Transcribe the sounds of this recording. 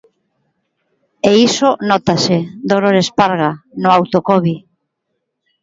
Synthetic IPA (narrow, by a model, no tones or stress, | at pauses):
eisonɔt̪ased̪oɾoɾespaɾɣanʊawt̪okɔβi